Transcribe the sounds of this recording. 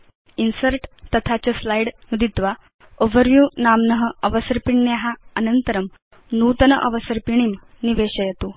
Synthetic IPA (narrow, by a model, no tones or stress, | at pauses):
insəɾʈt̪ːət̪ʰat͡ɕəslajɽnud̪it̪ʋa | oʋəɾʋjuːnamnəɦəəʋəsəɾpiɳnjeɦaənənt̪əɾəm | nuːt̪ənəʔə̰ʋəsəɾpiɳ̃im | niʋeɕəjet̪uː